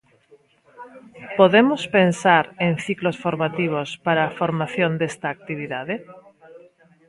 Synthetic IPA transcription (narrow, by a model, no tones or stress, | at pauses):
poðemospensaɾẽn̟θiklosfoɾmat̪iβ̞ospaɾaːfoɾmaθjond̪est̪aːk̚t̪iβ̞iðaðe